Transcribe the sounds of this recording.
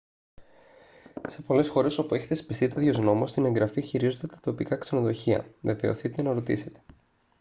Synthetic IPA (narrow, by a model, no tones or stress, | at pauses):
se̞po̞le̞sxo̞ɾe̞so̞pue̞çetθespist̪it̪eðʝo̞zno̞most̪ine̞ŋɡɾɐfiçiɾizod̪et̪ɐ̥t̪o̞pikɐkse̞no̞ðo̞çiɐ̰ve̞ve̞o̰θit̪e̞nɐɾot̪ise̞t̪e̥